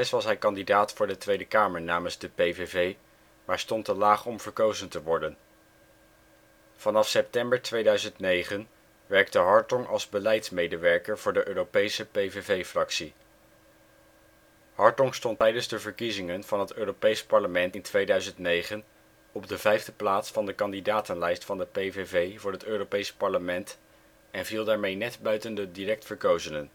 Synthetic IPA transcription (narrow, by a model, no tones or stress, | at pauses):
ɛsʋɑsɦɛjkɑndidaːtfʊːɹdətʋejdəkaːməɹnaːmənzdəpejvevej | maːɹstɔntəlaːχɔmv̥əɹkowzəntəʋɔɹdən | v̥ɑnɑfsɛp̚tɛmbəɹtʋejdœɥzəntnejχən | ʋɛɹk̚təɦɑɹtɔŋʔɑ̰lˠzbəlɛjtsmejdəʋɛɹkəɹvʊːɹdəʔøːropejsəpejvevejfrɑksi | hɑɹtɔŋstɔntɛjdənzdəvəɹkizɪŋənv̥ɑnɦətøːropejspɑɹləmɛntɪntʋejdœɥzəntnejχən | ɔb̚dəvɛjvdəplaːtsfɑndəkɑndidaːtənlɛjstfɑndəpejvevejvʊːɹɦətøːropejspɑɹləmɛnt | ɛnvilˠdaːɹmejnɛdbœɥtəndədirɛk̚tfəɹkowzɪŋən